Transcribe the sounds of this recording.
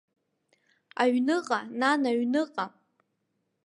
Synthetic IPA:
aɥnɨqʼananaɥnɨqʼa

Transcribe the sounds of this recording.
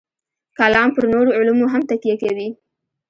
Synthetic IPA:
kalɑmpəɾnoɾoʊlumoɦamt̪akijakewi

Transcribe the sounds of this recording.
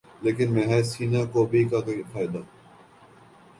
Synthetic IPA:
leːkɪnmɛ̃ːɦɛːsiːnakoːbʱikakoifaːɪd̪aː

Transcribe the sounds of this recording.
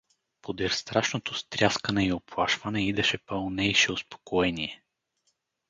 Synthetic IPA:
pod̪ɛɾst̪ɾaʃnot̪ost̪ɾʲaskənɛioplˠaʃvənɛid̪ɛʃɛpəlˠnɛjʃɛospo̥koɛniɛ

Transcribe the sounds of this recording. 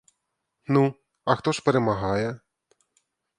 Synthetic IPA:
nu | ɐxt̪ɔʂpɛɾɛmaɦajɛ

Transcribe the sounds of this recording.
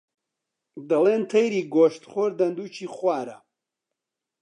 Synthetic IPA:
d̪ɐlent̪ʰɐjɾiːɡoʃt̪χoɾd̪ɐnd̪ut͡ʃʰiχwaːɾɐ

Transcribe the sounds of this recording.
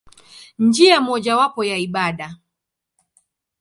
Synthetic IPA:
ɲd͡ʒiamɔʄawapɔjaiɓaɗa

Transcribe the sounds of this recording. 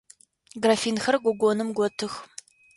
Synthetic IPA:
ɡrafiːnxɐrɡʷɔɡʷonɨmɡʷɔtʰɨx

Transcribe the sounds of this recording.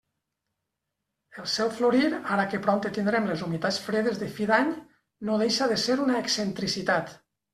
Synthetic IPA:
elˠsɛwfloɾiɾaɾakepɾɔnt̪et̪ind̪ɾemlezumit̪at͡sfɾeð̞ezðefiðaɲ | noðejʃaðeseɾunaeksent̪ɾisit̪at̪

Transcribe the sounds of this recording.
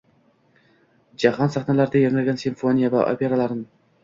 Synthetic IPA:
d͡ʒahɒnsaχnalaɾd̪ajaŋɪlɡʲansiɱfonijava̰ʔo̰pʰʲe̞ɾalaɾnɪ

